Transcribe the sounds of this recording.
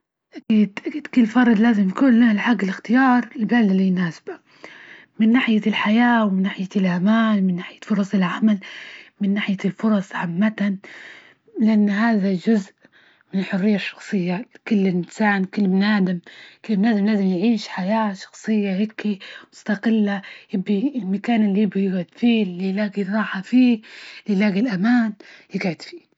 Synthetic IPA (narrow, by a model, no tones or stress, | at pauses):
ʔakiːd̪̥ʔakiːd̪kɪlːfɑɾˤd̪laːzɪmjkuːnlalħaɡːɪlɪxt̪ɪjɑːɾˤɪlbalalinaːsɪ̥ba | mɪnːaːħɪjalħajaːwmɪnːaːħɪjalʔamaːlmɪnːaːħɪjafʊɾˤɑsˤɪlʕamalmɪnːaːħɪjalfʊɾˤɑsˤʕamːat̪an | lɪʔanːhaːðad͡ʒʊzʔ | mɪnħʊrːɪjːaʃːɑ̥xsˤɨjːakʊlːɪnsaːnkɪlːmnaːd̪ɪmkɪlːmnaːd̪ɪmlaːzɪmjʕiːʃħajaːʃɑ̥xsˤɨjːahɪkːimʊst̪aqɪlːajɪbːilmakaːnɪlːijɪbijɪɡʕʊd̪fiːlijlaːɡiɾˤɑːħafiːlilaːɡilʔamaːnɪɡʕɪd̪fi̥ː